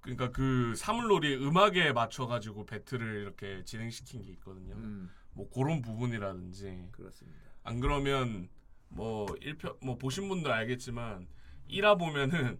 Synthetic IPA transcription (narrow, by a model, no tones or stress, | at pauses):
kɯɲik͈akɯsʰamuɭːoɾiɯmaɡe̞mat͡ɕʰʌɡad͡ʑiɡope̞tʰɯɾɯɭiɾʌkʰe̞t͡ɕinɦe̞ŋɕʰi̥kʰinɡe̞it̚k͈ʌdɯɲo | mwʌkoɾonbubuɲiɾadɯnd͡ʑiɯsa̰nɡɯɾʌmjʌn | mʌiɭpʰjʌmwʌpoɕʰinbundɯɾaɭɡe̞t̚t͡ɕ͈imaniɾabomjʌnɯn